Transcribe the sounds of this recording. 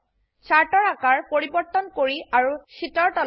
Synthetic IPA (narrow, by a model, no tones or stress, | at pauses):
t͡ʃaɹʈɔɹakaɹpoɹibɔɹt̪ɔnkoɹiaɹuʃitɔɹtɔ